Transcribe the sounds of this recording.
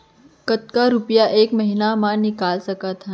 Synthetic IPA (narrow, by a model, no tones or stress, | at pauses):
kət̪̚kaɾupjaʔeːkməɦinamãnikaːlsɐkat̪ʰa